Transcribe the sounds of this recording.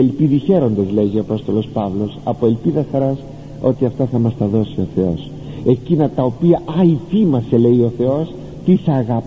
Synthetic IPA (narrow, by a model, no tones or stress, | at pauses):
elpiðiçe̞ɾo̞nd̪ɐzle̞ʝio̞ɐpo̞st̪o̞lo̞spɐvlo̞sɐ̰po̞e̞lpiðɐxɐɾɐs | o̞t̪iɐft̪ɐθɐmɐst̪ɐðo̞sio̞θe̞o̞s | e̞cinɐt̪ɐo̞piɐʔɐifimɐse̞le̞io̞θe̞o̞s | t̪isɐɣɐp